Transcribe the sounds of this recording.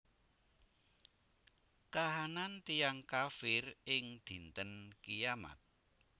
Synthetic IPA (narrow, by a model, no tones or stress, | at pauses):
kaɦanant̪ijaŋkafɪrɪŋd̪̥i̤nt̪ənkijama̰t̪̚